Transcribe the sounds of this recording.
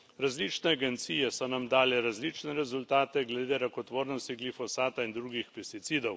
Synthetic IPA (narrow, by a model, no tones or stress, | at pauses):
ɾazlit͡ʃnɛaɡɛnt̪siːjɛsɔnamd̪aːlɛɾazliːt͡ʃnɛɾɛzult̪aːt̪ɛɡlɛd̪eːɾakɔt̪ʋoːɾnɔst̪iɡlifɔsaːt̪aind̪ɾuːɡixpɛst̪it̪siːd̪ɔw